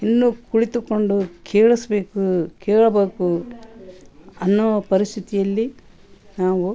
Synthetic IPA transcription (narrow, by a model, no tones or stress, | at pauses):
inːukuɽit̪ukoɳɖukʰeːɭɐsɐbe̞ːkukeːɭɐbeːku | ɐnːɔɐpɐɾist̪ʰit̪ijɐlːi | naːʋu